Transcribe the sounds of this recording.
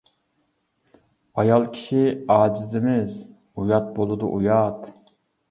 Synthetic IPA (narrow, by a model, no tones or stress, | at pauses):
ɑjɑlˠkʲʰi̥ʃiɑːd͡ʒɪzɪmɪz | ujɑt̪̚bolˠɨd̪ṵʔujɑt̪